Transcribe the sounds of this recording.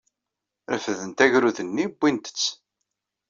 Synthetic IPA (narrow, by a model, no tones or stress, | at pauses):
ɾəfəðənt̪æʝɾuðənːibːint̪ə̥t͡sː